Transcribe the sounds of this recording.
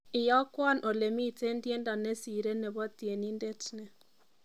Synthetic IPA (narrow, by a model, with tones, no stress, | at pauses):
ɪ˨jɔ˦kwɔ˦˨nʔɔ˨le˨mi˦˨te˦ndje˦nda˨nɛ˦si˨ɾe˦nɛ˨bɔ˦tje˨ni˦ndɛ˦tnɛ˨